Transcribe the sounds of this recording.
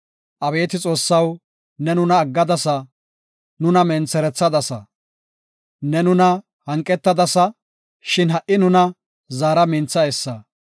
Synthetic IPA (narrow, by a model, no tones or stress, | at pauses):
ʔɐbe̞ːt̪ɪt͡sʼo̞ːsːɐw | nɛnʊnɐːɡːɐd̪ɐsɐ | nʊnɐmɛnt͡sːɛɾɛt͡sːɐd̪ɐsɐ | nɛnʊnɐ | hɐŋkʼːɛt̪ːɐd̪ɐsɐ | ʃɪnɦɐʔɪnʊnɐ | zaːɾɐmɪnt͡sːɐɛsːɐ